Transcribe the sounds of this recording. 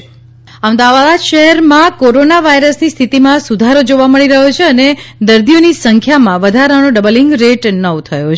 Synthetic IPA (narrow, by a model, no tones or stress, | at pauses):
əmd̪aʋaʋad̪ʃəɦɛɾmãkoɾonaʋaiɾəsnist̪ʰit̪imãsud̪ʱaɾod͡ʒoʋaməɭiɾəɦot͡ʃʰeəned̪əɾd̪ionisəŋkʰjamãʋəd̪ʱaɾənoɖəbəlĩŋɡɾeʈnəʋt̪ʰəjot͡ʃʰ